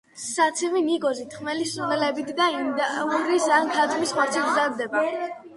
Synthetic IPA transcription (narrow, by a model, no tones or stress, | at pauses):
sat̪sʰɛminiɡɔzit̪ʰχmɛlisunɛlɛbit̪ʰd̪aind̪auɾisant̪ʰat̪ʰumisχɔɾt̪t͡ʃ̪ʰiɡzaɾd̪ɛba